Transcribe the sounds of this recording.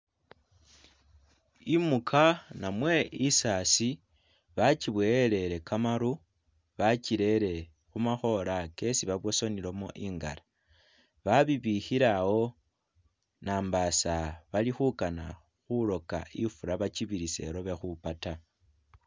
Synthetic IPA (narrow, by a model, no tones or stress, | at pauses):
imukʰanamwe̞isaːsi | βat͡ʃiβwele̞ɾe̞kʰamaɾu | βat͡ʃiɾe̞ɾe̞ | xumaxo̞lake̞siβaβwo̞so̞nilo̞mo̰ʔiːŋɡa̰la | βaβiβixiɾawo̞ | naːmbasaβalixukana̰ | xulo̞ka̰ifuɾaβat͡ʃiβiɾise̞̰ɾo̞βe̞xupata